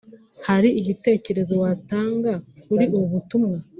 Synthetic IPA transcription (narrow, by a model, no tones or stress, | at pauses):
haɾiiɟite̞ːce̞ɾe̞zo̞wataːŋɡakuɾiʔuβuβutumŋa